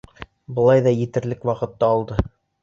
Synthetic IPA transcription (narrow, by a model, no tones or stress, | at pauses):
bɤ̆lˠɑjðɑjɘ̆t̪ɘ̆ɾlɘkwɑqɤ̆t̪ːɑːlˠd̪ɤ